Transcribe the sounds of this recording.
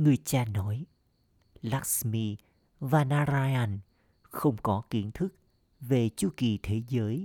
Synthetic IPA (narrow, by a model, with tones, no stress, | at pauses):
ŋɨ˨˩əjt͡ɕaː˧nɔ˨˦j | la˦˥k̚smi˧ | vaː˨˩naː˧zaː˧a˧n | xə˧wŋ͡mkɔ˨˦ki˨˦ənt̪ʰɨ˦˥k̚ | ve˨˩t͡ɕu˧˦ki˨˩t̪ʰe˨˦zəː˨˦j